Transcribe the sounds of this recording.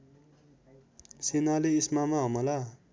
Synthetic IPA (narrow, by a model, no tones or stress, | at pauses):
senaleismamaɦʌmʌla